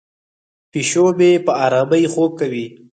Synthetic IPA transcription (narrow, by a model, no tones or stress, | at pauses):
piʃomepəɑɾɑməjxob̚kawi